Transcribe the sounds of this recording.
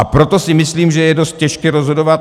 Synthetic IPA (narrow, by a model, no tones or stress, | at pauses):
ʔapɾo̞t̪o̞sɪmɪsliːmʒɛjɛdo̞st̪̚cɛʃkɪɾozɦo̞do̞vat̪